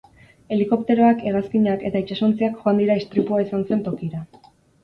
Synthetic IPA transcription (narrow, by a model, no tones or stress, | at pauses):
e̞liko̞pt̪e̞ɾo̞ake̞raskiɲake̞t̪ait͡ʃasont͡seakxoand̪iɾaist̪ɾipuaisanse̞nt̪o̞kiɾa